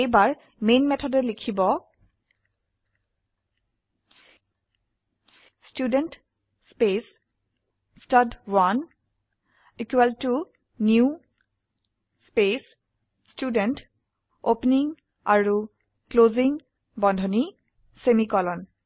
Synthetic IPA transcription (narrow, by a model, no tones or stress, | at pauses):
ejbaɹ | menmɛtʰɔdɛlikʰibɔ | studɛnt | spes | stadwan | ikwɛltu | nju | spes | studɛnt | opniŋ | aɹu | kloziŋ | bɔndʱɔni | semikɔlɔn